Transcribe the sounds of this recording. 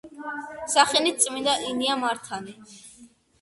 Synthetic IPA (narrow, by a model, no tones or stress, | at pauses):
saχɛnit̪̚sʼmind̪aʔiniamaɾt̪ʰani